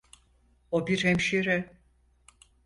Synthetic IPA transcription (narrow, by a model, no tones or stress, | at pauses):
obiɾhɛmʃiɾɛ